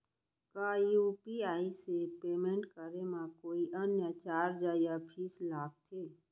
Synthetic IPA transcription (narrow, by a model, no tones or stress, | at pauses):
kaːjuːpiaːisepeːmẽɳʈkəɾemãkoːiʔənjət͡ʃaːɾd͡ʒaːjapʰislaːɡ̚t̪ʰeː